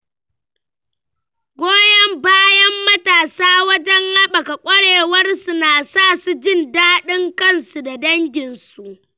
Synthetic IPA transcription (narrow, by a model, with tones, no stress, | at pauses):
ɡʷoː˦jɐ˦mbaː˦jɐ˦mːɐ˦taː˨saː˦wɐ˦d͡ʒɐ˦ŋha˦ɓa˨ka˨kʷʼɐ˦ɽeː˨wɐ˦rsu˨naː˨saː˦˨su˨d͡ʒɪ˦˨ndaː˦ɗɪ˦ŋkɐ˦˨nsu˨da˨dɐ˦ŋɡʲɪ˨nsu˨ʔ